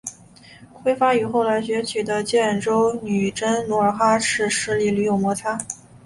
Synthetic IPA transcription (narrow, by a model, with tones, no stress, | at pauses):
xwe˥ɪfa˥y˨˩xo˥˩ʊla˧˥ɪɕɥɛ˧˥t͡ɕʰi˨˩d̪ə˦t͡ɕjɛ˥˩nʈ͡ʂo˥ʊny˨˩ʈ͡ʂə˥nnu˧˥ə˞˧˥xa˥ʂɻ̩˥˩ʂɻ̩˧˥˩li˧˩ly˧˥jo˨˩ʊmwɔ˧˥t͡sʰa˥